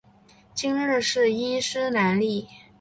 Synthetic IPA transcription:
t͡ɕi˥ŋɻɻ̩˥˧ʂɻ̩˥˩i˥ʂɻ̩˥na˧˥nli˥˩

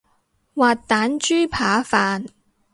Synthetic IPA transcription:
waː˨˩t̚t̪aː˨˥nt͡ʃyː˥pʰaː˨˥faː˨n

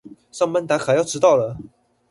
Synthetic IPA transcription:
sɑ˥˧ŋmə˥nt̪a˧˥xa˧˥ɪjɑ˥˩ʊʈ͡ʂɻ̩˧˥t̪ɑ˥˩ʊlə˩

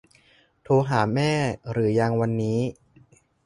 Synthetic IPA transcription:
t̪ʰuː˧ɦaː˩˦mɛː˥˩ɾɯː˩˦jaː˧ŋwa˧nːiː˦˥

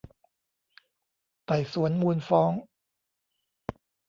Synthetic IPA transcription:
t̪a˨˩jsu˨˩˦ənmuː˧nfɔː˦˥ŋ

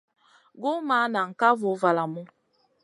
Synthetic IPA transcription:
ɡʊ˦ma˦na˨ŋ̩˨ka˦vʊ˨˦va˨la˨mʊ˦

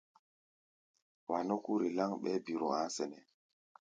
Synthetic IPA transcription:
wa˨no˦ku˦ɾi˨la˦ŋɓɛ˦bi˨ɾɔ̰˨a˦sɛ˨nɛ˨

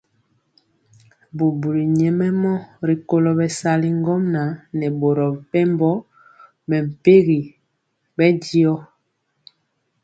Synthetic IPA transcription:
bu˨bu˨ɾi˨ɲɛ˨mɛ˦mɔ˦ɾi˨ko˦lo˨bɛ˨sa˨li˦ŋɡɔ˦mna˨˦nɛ˨bo˨ɾɔ˨pɛ˦mbɔ˦ | mɛ˨m̩˨pe˦ɣi˨ | bɛ˦ɟi˦ɔ˦

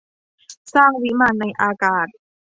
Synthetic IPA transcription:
saː˥˩ŋwi˦˥maː˧˩nːa˧jʔaː˧kaː˨˩t̪̚

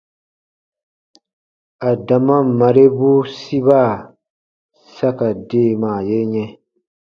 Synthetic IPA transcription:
a˨da˨mã˦˨ma˨ɾe˦bu˦si˦βa˦˨ | sa˦ka˨deː˦˨maː˨je˦ɲɛ̃˦

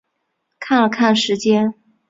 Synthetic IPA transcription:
kʰa˥˩nlə˩kʰa˥˩nʂɻ̩˧˥t͡ɕjɛ˥n

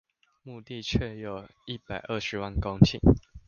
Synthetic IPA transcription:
mu˥˧t̪i˥˨t͡ɕʰɥɛ˥˩jo˨˩ʊi˥˩pa˨˩ɪʔə˥˨ʂɻ̩˨˦wa˥˨nko˥˦ŋt͡ɕʰḭ˥˨˩ŋ

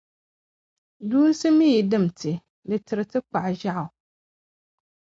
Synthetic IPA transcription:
duː˦n˦sɨ˦mi˦˨dɨ˦m˨tʰɨ˨ | dɨ˨tɨ˨ɾɨ˨tɨ˦k͡pa˨ʔʒa˦ʔʊ˨

